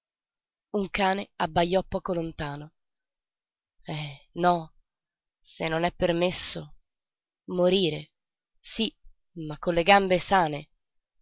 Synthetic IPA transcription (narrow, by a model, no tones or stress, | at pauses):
uŋkaːneabːajːɔpːɔːkolont̪aːno | ɛnɔ | senːonɛpːermesːo | moɾiːɾe | si | makːolːeɡambesaːne